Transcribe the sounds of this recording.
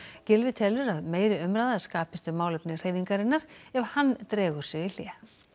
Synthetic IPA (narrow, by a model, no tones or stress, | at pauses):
cɪlvɪt̪ʰɛlʏɾaðmeːjɾɪœmɾajðaskaːpɪst̪ʏmaːwlɛpnɪr̥eːjviŋkaɾɪnːaɾ̥ɛvhanːt̪ɾɛːɣʏɾ̥sɪil̥jɛː